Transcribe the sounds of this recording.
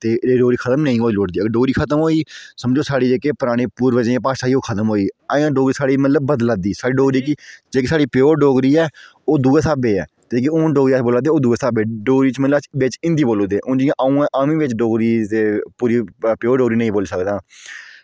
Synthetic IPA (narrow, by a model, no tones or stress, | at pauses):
t̪eːeːɖoːɡɾiːkʰət̪əmnəĩːɦoːiːloːʈd̪iːəɡɖoːɡɾiːkʰət̪əmɦoːiːsəmd͡ʒoːsaːɽiːd͡ʒeːkeːpəɾaːɽ̃eːpuːɾʋəd͡ʒẽːpaːʃaːiːoːkʰət̪əmɦoːiːaːãːɖoːɡɾiːsaːɽiːmət̪ləbːəd̪laːd̪iːsaːɽiːɖoːɡɾiːɛkɪd͡ʒeːkɪsaːɽiːpjoːɾɖoːɡɾiːɛː | oːd̪uːeːsaːbeːɛ̰ː | t̪ek̬iõːɖoːɡiːaːboːlaːd̪eːoːd̪uːeːsaːbeːɖoːɡɾiːt͡ʃmət̪ləʋɪt͡ʃɪ̃nd̪iːboːlõːd̪eːʔõːd͡ʒɪjãːʔaːũːɛ̃ːʔaːmĩːʋɪt͡ʃɖoːɡɾiːt̪eːpuːɾiːpjoːɖoːɡɾiːnəĩːboːlːsəkd̪aː